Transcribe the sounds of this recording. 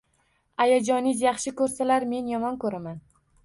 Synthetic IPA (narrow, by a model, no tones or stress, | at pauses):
ajad͡ʒɒnɪzjɑχʃɪkɵɾsalaɾme̞njɒmɒnkʰɵɾaman